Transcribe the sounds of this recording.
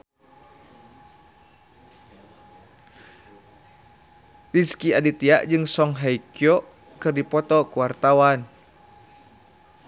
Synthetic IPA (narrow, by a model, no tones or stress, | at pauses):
riskiadit̪iaʔd͡ʒɨŋsɔŋɦaikiɔ | kɨrdipɔt̪ɔkuwart̪awan